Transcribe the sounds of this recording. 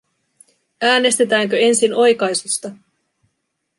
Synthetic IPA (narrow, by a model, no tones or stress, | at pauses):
æːne̞st̪e̞t̪æːŋkø̞e̞nsino̞jkɑjsust̪ɑ